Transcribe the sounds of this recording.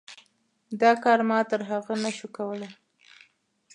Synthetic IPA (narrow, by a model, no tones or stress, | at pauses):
d̪ɑkɑɾmɑt̪əɾɦaɣənaʃukawəlaj